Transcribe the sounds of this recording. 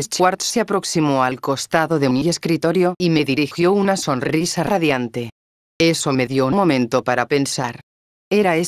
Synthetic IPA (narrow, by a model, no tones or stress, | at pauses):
est͡ʃwaɾt̪seapɾo̞ksimoalko̞st̪aðoðemie̞skɾit̪oɾjo̞ime̞ðiɾixjo̞unaso̞nrrisaraðjant̪e̞ | e̞so̞me̞ðjoumo̞mẽ̞nt̪opaɾape̞nsaɾ | eɾaes